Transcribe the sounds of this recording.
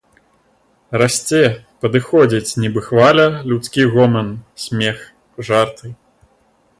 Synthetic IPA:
rasʲt͡sʲɛpɐd̪ɨxɔd͡zʲit͡sʲnʲɛbɨxvalʲɐlʲut̪skʲiɣɔmɛnsʲmʲɛx | ʐart̪ɨ

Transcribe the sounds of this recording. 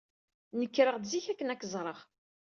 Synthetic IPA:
nəkːɾəʁd̪ziçækːənækːəzˤɾˤəʁ

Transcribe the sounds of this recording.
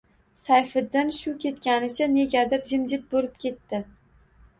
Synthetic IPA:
sajfɪd̪ːɪnʃʊkʲʰe̞t̪kʲanɪt͡ʃʰane̞ɡʲad̪ɪɾd͡ʒɪmd͡ʒɪt̪̚bolɪp̚kʲʰe̞t̪ːɪ

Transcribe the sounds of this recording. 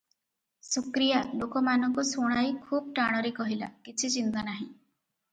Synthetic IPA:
sɔkɾijalokɔmanɔŋkusoɽ̃ajkʰub̚ʈaɽ̃ɔɾekɔɦila̰kit͡ʃʰit͡ʃint̪anaɦḭ̃

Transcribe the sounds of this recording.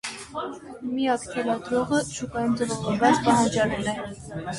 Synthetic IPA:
mijɑkt̪ʰɛlɑd̪ɾɔʁəʃukɑjunt͡səɾɔʁɔbɑt͡spɑɦɑnd͡ʒɑlɛlɛ

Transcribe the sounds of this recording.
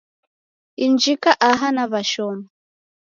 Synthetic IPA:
ind͡ʒikaʔaɦanaβaʃɔmɔ

